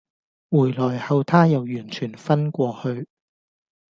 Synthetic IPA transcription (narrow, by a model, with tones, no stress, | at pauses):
wuː˨˩jlɔː˨˩jhɐ˨˧wt̪ʰaː˥jɐ˨wjyː˨˩nt͡ʃʰyː˨˩nfɐ˥nkʷɔː˧hɵ˧ɥ